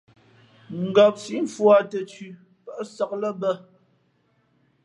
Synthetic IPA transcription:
ŋ̩˨ɡɔ˨p̚si˨˦ɱ˨fwa˨tə˨t͡ʃʉ˨ | pə˦˨ʔsɔ˨k̚lə˦bə˦˨

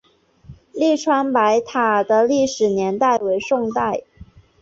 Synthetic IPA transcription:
li˥˩ʈ͡ʂʰwa˥npa˧˥ɪt̪ʰa˨˩d̪ə˦li˥˩ʂɻ̩˨˩njɛ˧˥nt̪a˥˩ɪwe˧˥ɪʂʊ˥˧ŋt̪a˥˩ɪ

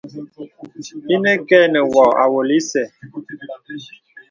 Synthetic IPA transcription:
i˦nɛ˦kɛ˦˨nɛ˨wɔ˨a̰˨wo˨li˦sɛ˨

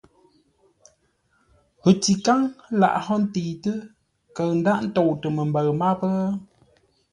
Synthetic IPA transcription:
ɣə˨ti˨ka˦ŋ˦la̰˨ʔɦɔ˦n̩˦tiː˨tɨ˦ | kə˨ɰn̩˦da˦ʔn̩˦tɔ˨wtə˨mə˨m̩˨bə˨ɰma˦pə˦

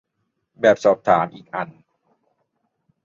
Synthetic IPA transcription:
bɛː˨˩p̚sɔː˨˩p̚t̪ʰaː˩˦mʔiː˨˩k̚ʔa˨˩n

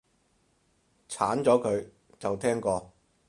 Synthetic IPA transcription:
t͡sʰaː˨˥nt͡sɔː˨˥kʰɵ˨˧ɥ | t͡sɐ˨wt̪ʰɛː˥ŋkɔː˧

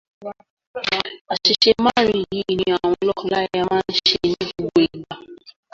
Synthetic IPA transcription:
a˨ʃi˨ʃe˦ma˦˨ɾĩ˦˨ji˨˦˨nĩ˦a˨w̃ɔ̃˧lɔ˦kɔ˨la˦jja˦mã˦n̩˦ʃe˧nĩ˦ɡu˦ɡo˨˦e˨ɡ͡ba˨

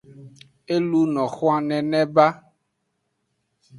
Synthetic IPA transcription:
e˦lu˦nɔ̃˨xɔ˦a˦nɛ̃˨nɛ̃˦ba˦

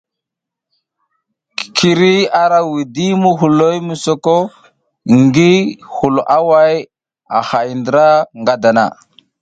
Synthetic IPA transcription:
kʰi˨ɾi˦a˨ɾa˦wi˨di˦mu˦ɦu˨lo˦jmu˨so˦ko˦ | ŋɡi˦hu˨lʔa˦wa˦j | a˨ha˨jndə˨ɾa˦ŋɡa˨da˨na̰˨

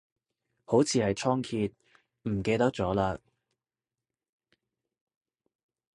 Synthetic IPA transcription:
ho˨˥wt͡sʰiː˨˧hɐ˨jt͡ʃʰɔː˥ŋkʰiː˧t̪̚ | m̩˨˩ke˧jt̪ɐ˥k̚t͡sɔː˨˥laː˧

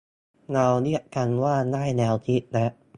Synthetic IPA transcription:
ŋa˧wni˦˥ɐka˧nwaː˥˩naː˥˩jnɛː˧wt̪ʰi˦˥t̪̚na˦˥ʔ

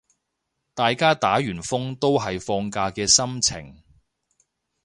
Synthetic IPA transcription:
t̪aː˨jkaː˥t̪aː˨˥jyː˨˩nfʊ˥ŋt̪o˥wɦɐ˨jfɔː˧ŋkaː˧kɛː˧sɐ˥mt͡sʰɪ̰˨˩ŋ

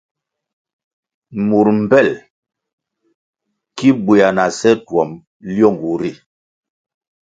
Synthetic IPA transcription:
mu˨ɾm̩˨pɛ˦˨l | ki˦bwe˨a˨na˨sɛ˦twɔ˨m | ljɔ˦˨ŋɡu˨ɾi˦˨

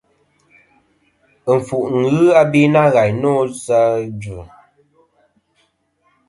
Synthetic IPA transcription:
ɱ̩˨fu˨ʔŋ̩˨ɣɨ˦a˦bi˦na˦˨ɣa˨jnɔ˦za˦d͡ʒʉ˨

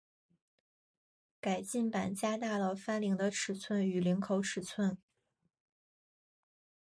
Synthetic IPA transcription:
ka˨˩ɪt͡ɕi˥˩npa˨˩nt͡ɕja˥t̪a˥˩lə˩fa˥nli˧˥ŋd̪ə˧ʈ͡ʂʰɻ̩˨˩t͡sʰwə˥˩ny˨˩li˧˥ŋkʰo˧˥ʊʈ͡ʂʰɻ̩˨˩t͡sʰwə˥˩n

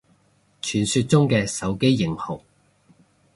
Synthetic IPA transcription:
t͡ʃʰyː˨˩nsyː˧t̚t͡sʊ˥ŋkɛː˧sɐ˨˥wke˥jːɪ˨˩ŋhʊ˨˩ŋ

